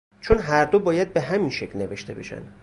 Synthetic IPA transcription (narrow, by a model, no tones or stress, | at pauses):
t͡ʃʰonɦæɾd̪obɒːjæd̪̚be̞ɦæminʃekʰlne̞ve̞ʃt̪ʰe̞be̞̰ʃæ̰nd̪